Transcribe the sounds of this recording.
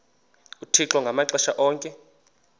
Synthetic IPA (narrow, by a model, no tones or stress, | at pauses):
utʰiǁɔŋɡʱamaǁɛʃaʔɔːŋkʼɛ